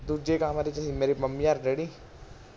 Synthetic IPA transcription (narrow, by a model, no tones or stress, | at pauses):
d̪ud͡ʒekaɦɐmaːɾit͡ʃɐsimeːɾimɐmːijaːɾɖeːɽi